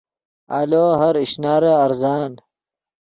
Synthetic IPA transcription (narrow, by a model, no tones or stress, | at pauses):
aloːɦɐɾiɕnaːɾeɐɾzaːn